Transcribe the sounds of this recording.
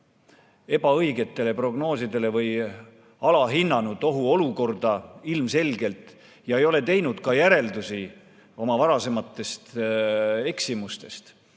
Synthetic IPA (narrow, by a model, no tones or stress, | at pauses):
e̞b̥ɑɤjɡe̞t̪ːe̞le̞pro̞ɡ̥no̞ːsid̪e̞le̞vɤj | ɑlɑɦinːɑnud̪o̞ɦuo̞luko̞rd̪̥ɑilmse̞lɡe̞lt̪ˑ | jɑe̞jo̞le̞t̪e̞jnud̪̥kɑjæɾe̞ld̪usi | o̞mɑvɑɾɑse̞mɑt̪ːˑe̞st̪ | e̞ksimust̪e̞st̪